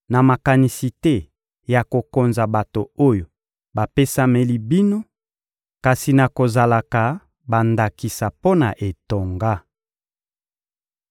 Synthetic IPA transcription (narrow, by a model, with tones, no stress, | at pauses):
na˨ma˨ka˨ni˨si˨tɛ˦ | ja˨ko˨ko˨nza˨ba˨to˨o˦jo˨ | ba˨pe˦sa˦me˦li˦bi˦no˦ | ka˨si˨na˨ko˨za˨la˨ka˨ | ba˨nda˨ki˨sa˨po˦na˨ʔe˨to˨ŋɡa˦